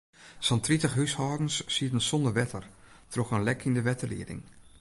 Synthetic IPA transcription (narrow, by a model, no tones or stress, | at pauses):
sɔntritəxɦyshɔːdn̩sːiətənsɔndərʋɛtʰər | troxənlɛkʰindəʋɛtəlḭədɪ̰ŋ